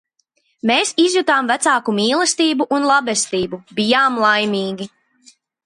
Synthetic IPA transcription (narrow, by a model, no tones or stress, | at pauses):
meːsizjut̪aːmvæt̪saːkumiːlˠɛst̪iːbuʔunlˠabɛst̪iːbubijaːmlˠajmʲiːɡʲi